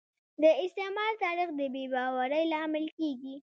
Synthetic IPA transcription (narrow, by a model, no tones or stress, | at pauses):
d̪əɪst̪ɪmɑlt̪ɑɾixd̪əbebɑwaɾəjlɑmɪlkeɡi